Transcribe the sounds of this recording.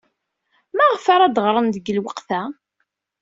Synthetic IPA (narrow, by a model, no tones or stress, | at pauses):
mæʁfaɾad̪əʁɾˤənd̪əɡəlwəqθæ